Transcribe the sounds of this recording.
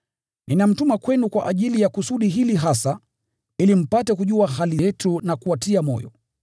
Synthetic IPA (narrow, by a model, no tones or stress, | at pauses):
ninam̩tumakwɛnukwaʔaʄilijakusuɗiɦiliɦasa | ilim̩patɛkuʄuaɦaliɛtunakuatiamɔ̰jɔ̰